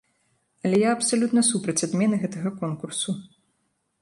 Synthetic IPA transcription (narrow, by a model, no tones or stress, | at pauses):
ɐlʲɛjaɐpsalʲut̪nɐsupɾɐt͡sʲad̪mʲɛnɨɣɛt̪ɐɣɐkɔnkursu